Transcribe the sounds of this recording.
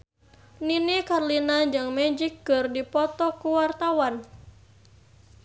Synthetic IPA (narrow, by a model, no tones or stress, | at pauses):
ninikarlinaɲd͡ʒɨŋmɛd͡ʒikːɨrdipɔt̪ɔkuwart̪awan